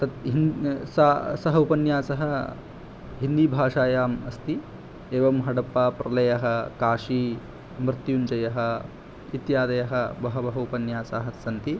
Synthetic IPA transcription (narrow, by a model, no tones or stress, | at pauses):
t̪ɐt̪ɦinsasɐɦɐupɐnjaːsɐɦɐ̆ | ɦind̪ibʱaːʂaːjaːmɐst̪i | eːʋɐmɦɐɽɐpːaːpɾɐlɐjɐɦɐ̆kaːʂiː | mɾɪt̪junt͡ʃɐjɐɦɐ̆ | it̪jaːd̪ɐjɐɦɐbɐɦɐbɐɦɐupɐnjaːsaːɦɐsɐnt̪i